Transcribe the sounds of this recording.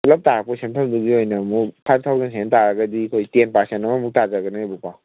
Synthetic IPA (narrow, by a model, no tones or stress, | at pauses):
lap̚taɾapɔsemtʰamduɡiojnɐmukpʰajb̚tʰawzens̬ʰentaɾaɡadikʰojtenpaɾsentamamuk̚tazaɡanabupaw